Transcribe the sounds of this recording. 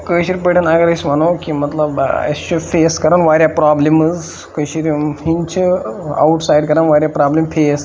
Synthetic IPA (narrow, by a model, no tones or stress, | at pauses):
kəːjʃiɾʲipəʈʰɐnɐɡɐɾɐsʲʋɐnoːkimɐt̪lɐbɐ̰st͡ʃʰufʰeːskɐɾaːnʋaːɾʲjapɾaːblimɨz | kəjʃiɾiɦint͡ʃʰia̰wʈsaːjɖkɐɾanʋaːɾʲjapɾaːblimfʰeːs